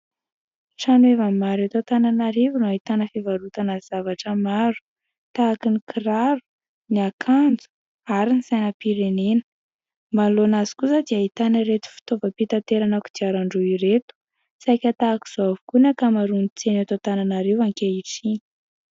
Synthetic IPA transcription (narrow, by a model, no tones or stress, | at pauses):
ʈ͡ʂanuevamaɾat̪at̪ananaɾevunuait̪anəfevaɾut̪anaz̥avaʈ͡ʂəmaɾu̥ | t̪aːkinikʰiɾaɾu̥ | niakʰand͡zu̥ | aɾiniz̥ajnəpiɾenenə̥ | malonazi̥kusad̪iait̪anəɾet̪u̥fi̥t̪ovəpit̪at̪eɾanaku̥d̪̥iaɾaɳɖ͡ʐuiɾet̪u̥ | sajkʲat̪aːki̥z̥oavukunakamaɾunit͡senat̪at̪ananaɾewaŋkeiʈ͡ʂiɲi̥